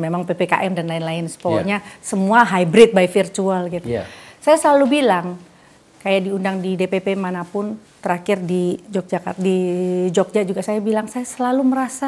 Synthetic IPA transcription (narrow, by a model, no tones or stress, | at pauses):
memaŋpepeka̰ʔɛmdanlaɪnlaɪnsə̥pɔlaɲasəmuaɦajbɾɪt̪̚bajfirt̪ualɡit̪usajasəlalubilaŋ | kajaʔdiundaŋdidepepemanapʊnt̪əɾakɪrdid͡ʒɔk̚d͡ʒaka̰t̪̚did͡ʒɔk̚d͡ʒad͡ʒuɡasajabilaŋsajasəlaluməɾasa